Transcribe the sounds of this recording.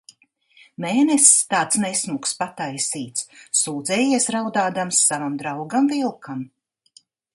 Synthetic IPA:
meːnɛsʲt̪aːt̪snɛsmukspat̪ajsiːt̪sːuːd̪zɛːjiɛsɾawd̪aːd̪amsːavamd̪ɾawɡamvilˠkʰam

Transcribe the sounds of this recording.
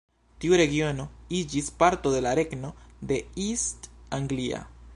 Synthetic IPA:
t̪juɾeɣjonoid͡ʒispaɾt̪oðelaɾeknoðeist̪aŋɡlia̰

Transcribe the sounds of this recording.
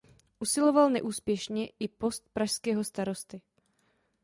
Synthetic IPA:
ʔusɪlo̞valnɛʔuːspjɛʃɲɛʔɪpo̞st̪̚pɾaʃskɛːɦo̞st̪aɾo̞st̪ɪ

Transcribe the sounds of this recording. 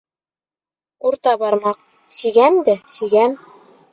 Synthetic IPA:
uɾt̪ɑbɑɾmɑq̚ | siɡæmd̪ɘsiɡæm

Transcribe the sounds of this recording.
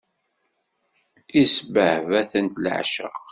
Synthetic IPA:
isbəhvæθənt̪lʕ̰ʃə̰q

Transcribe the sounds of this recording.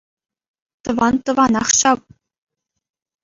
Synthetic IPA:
t̪ɤ̆ʋɑnt̪ɤ̆ʋɑnɑχɕɑp

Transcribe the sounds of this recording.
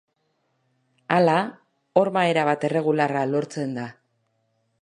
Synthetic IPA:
ala | o̞ɾmae̞ɾaβ̞at̪e̞re̞ɣ̞ularalo̞ɾt͡se̞nd̪a

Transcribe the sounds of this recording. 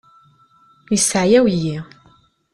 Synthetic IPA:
jəsːəʕjæwjːi

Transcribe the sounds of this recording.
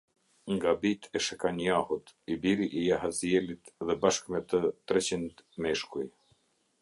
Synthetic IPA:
ŋɡabit̪ʰɛʃɛkanjahut̪ibiɾiʔijaɦazijɛlit̪ðɛbaʃkmɛt̪ət̪ɾɛt͡ɕind̪mɛʃkuj

